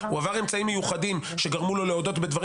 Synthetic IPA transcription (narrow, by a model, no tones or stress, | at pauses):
uavaʁe̞mt͡saimːejuχadim | ʃe̞ɡaʁmulo̞le̞o̞d̪o̞tbe̞d̪vaʁ